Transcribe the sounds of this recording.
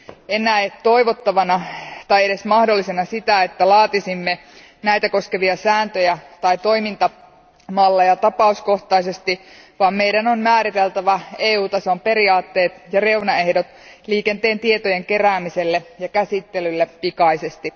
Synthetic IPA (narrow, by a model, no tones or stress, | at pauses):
enˑæet̪o̞iʋot̪ːɑʋɑnɑt̪ɑjeɾe̞smɑhdo̞lːisenɑsit̪æet̪ːælɑːt̪isimːe | næjt̪æko̞skeʋiɑsæːnt̪øjæt̪ɑit̪o̞imint̪ɑ | mɑlːɑjɑt̪ɑpɑusko̞ht̪ɑise̞st̪i | ʋɑːmmejdænonmæːɾit̪elt̪æʋɑeːuːt̪ɑsompe̞ɾiɑːt̪ːe̞ːt̪jɑre̞unɑehdot̪ | liːkent̪e̞ːnt̪iet̪oje̞ŋke̞ræːmiselːejɑkæsit̪ːelylːepːikɑisest̪i